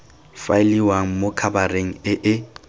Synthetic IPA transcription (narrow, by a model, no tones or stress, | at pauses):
faɪliwaŋ̩mokʰabareŋ̩ɪʔɪ